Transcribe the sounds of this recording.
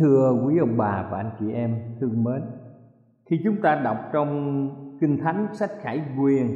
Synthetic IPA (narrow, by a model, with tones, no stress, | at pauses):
ɨ˧əkwi˨˦ʔə˧˩wŋ͡mɓaː˨˩vaː˨˩ʔa˧jŋ̟t͡ɕi˧˨˩ʔɛ˧mt̪ʰɨ˧əŋmeː˨˦n | xʰi˧t͡ɕʊ˨˦ŋ͡mt̪aː˧ɗa˨˩wk͡p̚t͡ɕɔ˧wŋ͡mkï˧ŋ̟t̪ʰa˨˦jŋ̟sa˦˥jk̟̚xaː˧˩jkwi˨˩ən